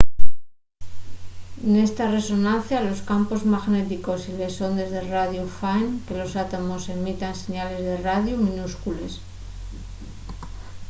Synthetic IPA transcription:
ene̞st̪are̞so̞nãnθjalo̞skampo̞zmaɣne̞t̪iko̞sile̞so̞nd̪e̞zðe̞raðjufajnke̞lo̞sat̪omo̞se̞mit̪anse̞ɲale̞zðe̞raðjumĩnuskule̞s

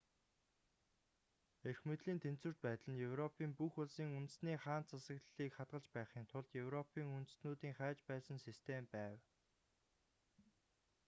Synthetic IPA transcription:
erxmet̪ɮiːnt̪ʰen̥t͡swɘ̆r̥t̪̚pæːt̪ɮə̆njɵwrɔpʰiːmpuxʊɮsiːŋunt̪̆sniːχaːnt͡sʰasə̆kɮiːkχat̪̚ɢə̆ɮt͡ɕpæːχiːnt̪ʰʊɮt̪jɵwrɔpʰiːŋunt̪ɘ̆snuːt̪iːŋχæːt͡ɕpæːsə̆nsist̪ʰempæːw

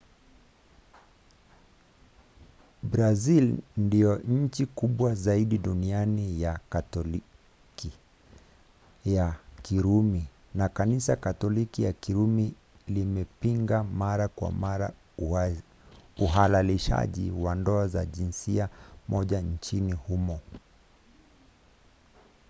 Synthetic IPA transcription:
bɾazilndijɔɲ̩t͡ʃikuɓwazaiɗiɗunianijakatɔl | ki | jakiɾumi | nakanisakatɔlikijakiɾumi | limɛpiŋɡamaɾakwa̰maɾa̰ | uɦalaliʃa̰ʄḭwandɔaza̰ʄinsiamʔɔʄan̩t͡ʃinihumɔ

